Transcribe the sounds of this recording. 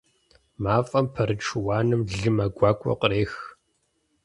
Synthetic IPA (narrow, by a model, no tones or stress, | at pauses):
maːfʼɐmpʰɐɾɨʈ͡ʂʰwaːnɨmɮɨmɐɡʷɑːkʷʼɔ̰qəɾeːx